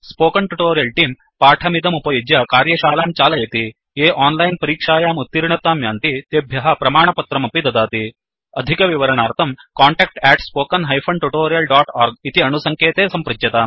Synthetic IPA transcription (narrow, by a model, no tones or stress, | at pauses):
spoːkɐɳʈuʈoːɾijɐlʈiːm | paːʈʰɐmid̪ʱɐmupɐjd͡ʒjɐkaːɾjɐʃaːlaːmt͡ʃaːlɐjɐt̪i | eːʔaːnlɐjnpɐɾiːkʂaːjaːmut̪ːiɾiɳɐt̪ːaːmjaːnt̪it̪eːbʱjɐɦɐpɾɐmaːɳɐpɐt̪ɾɐmɐpid̪ɐd̪aːt̪i | ɐd̪ʱikɐʋiʋɐɾɐɳaːɾt̪ʰɐmkaːɳʈɛːk̚ʈɛːʈspoːkɐnɦɐjfʰɐɳʈuʈoːɾijɐlɖaːʈaːɾɡ̚it̪iɐnusɐŋkjeːt̪eːsɐmpɾɐd͡ʒjɐt̪aːm